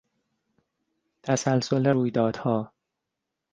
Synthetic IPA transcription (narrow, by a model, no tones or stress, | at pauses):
t̪ʰæsælsoleɾuːjd̪ɒːd̪̥hɒː